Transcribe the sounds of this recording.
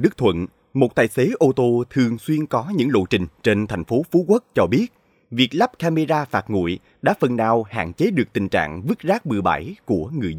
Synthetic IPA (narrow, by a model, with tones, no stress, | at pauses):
ɗɨ˦˥k̚t̪ʰwə̰˧˨n | mo˨˩t̚t̪aː˨˩jse˨˦ʔo˧t̪o˧t̪ʰɨ˨˩əŋswi˧ənkɔ˨˦ɲɨ̰˧˥ŋlo̰˧˨jt͡ɕï˨˩ŋ̟t͡ɕe˧nt̪ʰa˨˩jŋ̟fo˨˦fu˨˦kwə˦˥t̚t͡ɕɔ˧ɓi˦˥ət̚ | vi˨˩ək̚la˦˥p̚kaː˧me˧zaː˧faː˦˥t̚ŋṵ˧˨j | ɗa̰ː˧˥fə˨˩nːaː˨˩wha̰ː˧˨nt͡ɕe˨˦ɗɨ˨˩ək̚t̪ï˨˩ŋ̟t͡ɕa̰ː˧˨ŋvɨ˦˥t̚zaː˦˥k̚mɨ˨əɓa̰˧˩jku˧˩əŋɨ˨˩əjzə˧